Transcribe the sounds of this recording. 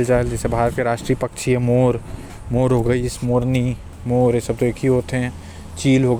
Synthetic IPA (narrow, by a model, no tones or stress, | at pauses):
ld͡ʒaːeld͡ʒɛːsebʱaːɾət̪̚keɾaːʃʈɾiːpəkʃʰiemoːɾ | moːɾɦoɡəismoːɾni | moːɾesəb̚t̪oekʰiɦoːt̪ɦɛ̃ | t͡ʃiːlɦoɡ